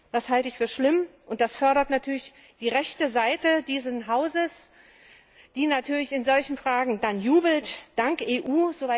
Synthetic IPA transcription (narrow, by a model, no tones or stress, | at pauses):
d̥ashaltəɪçfyːɐʃlɪmʔʊnt̚d̥asfœɐɾɐtnatʰyːɐlɪç | d̥iːʁɛçtəzaɪtədiːzənɦaʊzəs | d̥iːnatʰyːɐlɪçɪnzɔlçn̩fʁ̥aːɡŋ̩danjuːbl̩td̥aŋkʔeːʔuːzova